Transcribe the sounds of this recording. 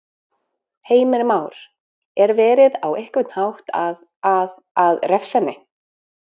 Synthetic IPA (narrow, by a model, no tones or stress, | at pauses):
heːjmɪɾmaːwɾ̥ | ɛɾvɛːɾɪðawehkvɪt̪n̥hawht̪að | ð | aðrɛfsɛnːɪ